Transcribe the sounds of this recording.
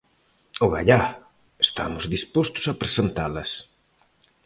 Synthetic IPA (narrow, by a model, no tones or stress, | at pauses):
oɣa̰ʎa | est̪a̰mʊzðispost̪ʊ̥sapɾesent̪alɐs